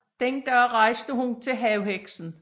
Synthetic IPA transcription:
d̥enɡ̥æɐʁɑ̈ɪsd̥əɦunt͡sʰe̝lɦɛʊheɡ̥sn̩

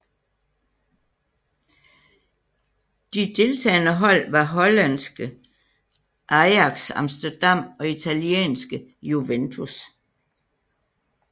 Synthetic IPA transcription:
d̥id̥e̝lt͡sʰɛ̰ːnəɦɒ̽l̰ʋɑ̈ɦɒ̽lænsɡ̥ə | ʔɑ̈ɪɑ̈ɡ̥sɑ̈msd̥ɐd̥ɑ̈m̰ɒ̽it͡sʰæljiḛːnsɡ̥əjuʋent͡sʰus

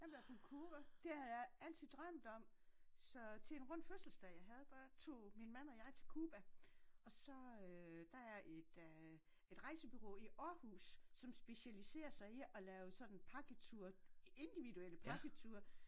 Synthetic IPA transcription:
jɑ̈beb̥ʰokʰuːb̥æd̥e̝hæð̩ˠjɑ̈ɪæl̰t͡sʰið̩̰ˠd̥ʁɶm̰d̥ɒ̽m̰ | sɒ̽t͡sʰe̝enʁɔ̽n̰d̥føsl̩sd̥ɛjɑ̈ɪɦæð̞ˠd̥ɑt͡sʰo̝̰ːminmæn̰ɒ̽jɑ̈ɪt͡sʰe̝lkʰuːb̥æɒ̽sɒ̽ød̥ɑ̈æɐʔe̝d̥ | e̝d̥ʁɑ̈ɪsəb̥yʁo̰ːiʔɒhṵːsːɒ̽msb̥e̝ɕælise̝̰ːɐsɑ̈ɪiɒ̽lɛːʊsɒ̽d̥n̩pʰɑ̈ɡ̥ət͡sʰuɐ̰e̝nd̥iʋiduel̰əpʰɑ̈ɡ̥ət͡sʰuːɐ̰

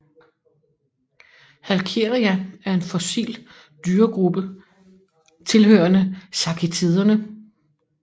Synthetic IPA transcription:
hælkʰe̝ʁiææɐe̝nfɔ̽sḭːl | d̥yːɐɡ̥ʁub̥ə | t͡sʰe̝lɦøɐnəsɑ̈kʰet͡sʰiðˠɐnə

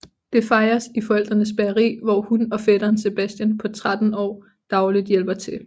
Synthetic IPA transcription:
d̥e̝fɑ̈ɪɐsifɒ̽el̰d̥ʁɐnəsb̥æɐʁḭːʋɒhunɒ̽fed̥ɐːnse̝b̥æsd̥jænpʰɒ̽t͡sʰʁad̥n̩ɒ̰ː | d̥ɑ̈ʊlidˠjel̰b̥ɐt͡sʰe̝l

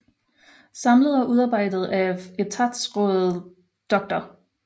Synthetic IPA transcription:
sɑ̈mləð̞̩ˠæʔuð̞ˠɑ̈ːb̥ɑ̈ɪ̰d̥ð̩ˠæet͡sʰɑd̥sʁɔð̩ˠ | d̥ɒ̽ɡ̥̚d̥ɐ

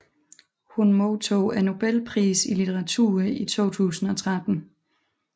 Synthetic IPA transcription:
hunmot͡sʰo̰ːæno̝b̥elpʰʁḭːsilit͡sʰeʁɑ̈t͡sʰṵːɐit͡sʰo̝̰ːt͡sʰṵːsn̩ɒ̽t͡sʰʁad̥n̩

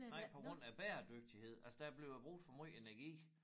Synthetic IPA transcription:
nɑ̈ɪ̰pʰɒ̽ɡ̥ʁɔ̽n̰æb̥æːɐd̥øɡ̥̚d̥ihe̝ð̰ˠælsəd̥æb̥le̝ʊb̥ʁuɡd̥fɒmy̰enæɐɡ̥ḭː

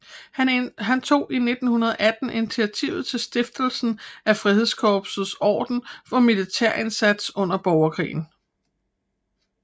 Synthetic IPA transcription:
ɦænt͡sʰo̝̰ːine̝d̥n̩hunɐð̞ˠɐʔæd̥n̩init͡sʰiæt͡sʰḭʊð̞̩ˠt͡sʰe̝lsd̥e̝fd̥l̩sn̩æfʁihe̝ðˠskʰɒːb̥sð̩ˠsɒ̰ːd̥n̩fɒ̽milit͡sʰeɐ̰ʔe̝nsæd̥sɔ̽n̰ɐb̥ɒʊɐkʰʁḭːn̩

